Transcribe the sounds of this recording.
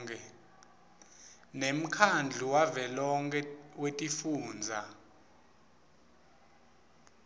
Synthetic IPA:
kʰʼɛ | nem̩kʰand͡ɮʱuwavɛlɔŋk̬ʰʼɛwetʼifuːnd͡zʱa

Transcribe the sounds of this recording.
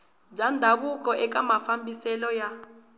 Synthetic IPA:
d͡ʒʱandʱaɓuk̬ɔʔɛk̬amafambʱisɛlɔja

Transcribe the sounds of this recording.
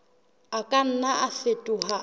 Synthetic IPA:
akʼan̩naʔafetʼuɦa

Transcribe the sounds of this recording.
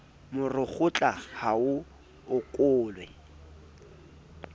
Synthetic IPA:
mʊrɪχʊt͡ɬʼahaʊ | ʊkʼʊːlwɛ̰

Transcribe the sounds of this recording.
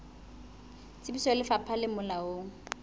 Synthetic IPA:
t͡sʼɪbisɔlɪfapʰalɪmʊlaoŋ̩

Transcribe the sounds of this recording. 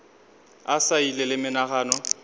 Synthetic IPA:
asailɛlɪmɪnaɣaːnɔ

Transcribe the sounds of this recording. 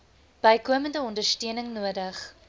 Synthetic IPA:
b̥ɐjkuəməndəɔndərstøənəŋnuədəχ

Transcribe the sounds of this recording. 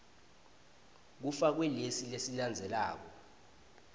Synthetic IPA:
k̬ufak̬wɛlesilesiland͡zʱɛlaːk̬ɔ

